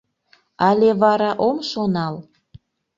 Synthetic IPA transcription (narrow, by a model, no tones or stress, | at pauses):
ɑlʲeβɑɾɑʔomʃonɑl